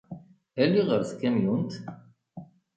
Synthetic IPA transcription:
ælːiʁəɾθkːæmjunt̪

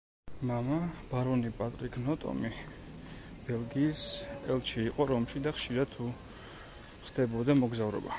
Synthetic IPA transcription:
mamab̥aɾɔnipʼat̪ʼɾikʰnɔt̪ʼɔ̰mi | b̥ɛlˠɡiːsɛlˠt͡ʃʰiːqʼɔɾɔmʃid̪aχʃiɾad̪̚t̪ʰːu | χd̪̥ɛbɔd̪amɔɡzavɾɔ̰ba

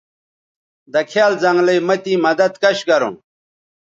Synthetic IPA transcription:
d̪ɐkʰjaːlzɐŋɡlɐjmɐt̪imɐd̪ɐd̪̚kɐɕɡɐɾṵ̃n

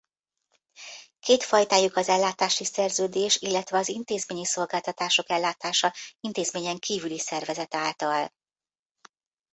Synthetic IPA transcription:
keːt̪fɒjt̪aːjukɒzɛlːaːt̪aːʃisɛrzøːd̪eːʃilːɛt̪ʋɛɒzint̪eːzmeːɲiso̞lɡaːlt̪ɒt̪aːʃo̞kɛlːaːt̪aːʃɒint̪eːzmeːɲɛŋkiːvylisɛrvɛzɛt̪aːlt̪ɒl

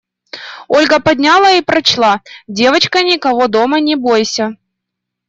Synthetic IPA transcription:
olʲɡəpɐdʲnʲalˠəipɾɐt͡ɕlˠɑdʲe̞vət͡ɕkənʲɪkɐvod̪omənʲɪbojsʲɐ

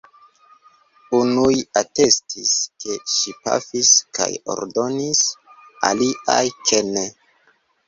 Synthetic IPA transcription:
unujate̞stiske̞ʃipa̰fiska̰jo̰ɾdo̞nisa̰liajkʰene

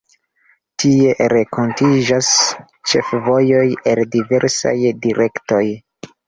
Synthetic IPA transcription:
tʰie̞ɾekʰo̞ntid͡ʒas | t͡ʃe̞̰fvo̞jo̞jeldive̞ɾsa̰jdiɾʔe̞kto̞j

